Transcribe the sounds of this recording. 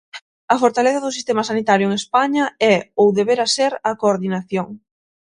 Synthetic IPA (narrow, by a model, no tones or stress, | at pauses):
ɐfoɾt̪aleθɐðʊsist̪emɐsanit̪aɾjʊeŋespaɲɐɛowðeβeɾɐseɾɐkoːɾðinaθjoŋ